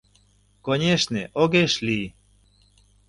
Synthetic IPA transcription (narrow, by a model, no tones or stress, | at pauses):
konʲeʃneʔoɣeʃli